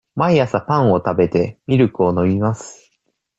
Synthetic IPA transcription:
maijasapãɰ̃o̞t̪abe̞t̪e̞mʲiɾɯ̟kɯ̟o̞no̞mʲimasɨ̥

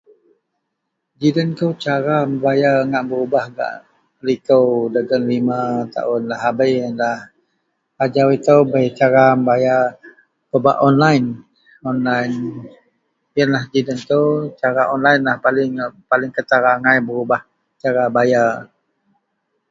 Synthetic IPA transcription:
d͡ʒidənk̪ut͡ʃaɾaməbajaəŋaʔbəɾubahɡa̰ʔ | əlikəwdəɡənlimat̪a̰ʔʊnlaɦabəjənlah | ad͡ʒawit̪əwbəjt͡ʃaɾaməbaja | kəba̰ʔɔnlajn | ɔnlajn | jənlahd͡ʒidənt̪əwt͡ʃaɾaʔɔnlajnlahpalɪŋpalɪŋkət̪aɾaŋajbəɾubah | t͡ʃaɾabaja

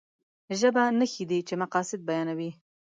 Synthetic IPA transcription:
ʒəbanəxid̪it͡ʃemaqɑsɪd̪̚bajɑnawi

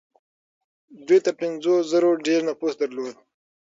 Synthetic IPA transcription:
d̪wijt̪apɪnzozəɾoɖeɾnapusd̪aɾloːd̪̚

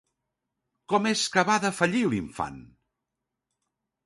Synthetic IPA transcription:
kɔmeskəβaðəfəʎiliɱfa̰n

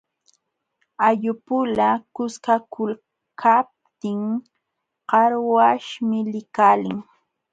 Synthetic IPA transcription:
aʎʊpʊlakʊskakʰʊl | kʰap̚t̪ɪŋ | qɑɾwaʃmɪlɪkaːlɪŋ

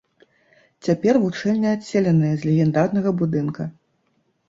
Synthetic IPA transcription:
t͡sʲapʲɛrvut͡ʂɛlʲnʲɐasʲelʲɛnɨjɐzʲlʲɛɣʲɛnd̪arnɐɣɐbud̪ɨnkɐ

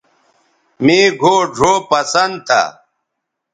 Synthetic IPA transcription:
meːɡʱoːɖʱoːpɐsɐnd̪̚t̪ʰa̰

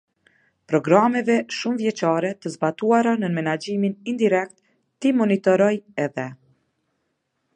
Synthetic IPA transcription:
pɾɔɡɾamɛvɛʃumvjɛt͡ʃaɾɛt̪əzbat̪uaɾanəmɛnad͡ʒiminind̪iɾɛk̚t̪ː | imɔnit̪ɔɾɔjɛðɛ

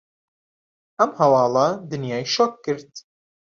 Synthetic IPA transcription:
ʔɐmhɐwɑːlˠɑd̪ɨnjɑːjʃɔkːɨɾt̪

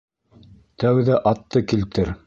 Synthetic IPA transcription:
t̪æwðæʔɑt̪ːɤkilt̪ɘɾ

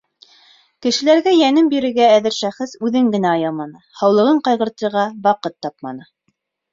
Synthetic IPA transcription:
kɘ̆ʃɘ̆læɾɡæjænɘmbiɾɘ̆ɾɡæːðɘɾʃæχɘsʉðɘŋɡɘ̆næɑjɑmɑnɤhɑwlˠɤ̆ʁɤɴqɑjʁɤ̆ɾt̪ɤ̆ɾʁɑbɑqɤt̪ːɑpmɑ̰nɤ

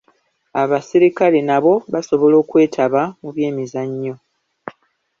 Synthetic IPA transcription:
aβasiɾikale̞naβo̞βaso̞βo̞lo̞ːkwe̞ːtʰaβamuβje̞ːmizaɲːo̞

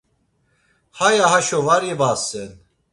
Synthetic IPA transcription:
hajahaʃɔvaɾɛbasɛn

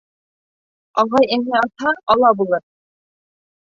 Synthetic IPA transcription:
ɑʁɑjænɘɑt̪hɑɑlˠɑbulˠɤɾ

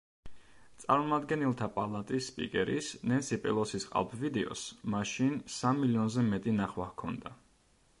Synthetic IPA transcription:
t̪sʼaɾmɔmad̪ɡɛnɛlˠt̪ʰapʼalˠat̪ʼisːpʼḭkʼɛɾḭsnɛnsipʼɛ̰lˠɔsisqʼa̰lˠpʰvid̪ɛɔ̰smaʃinsamːiliɔnzɛmɛt̪ʼinaχwahkʰɔnd̪a

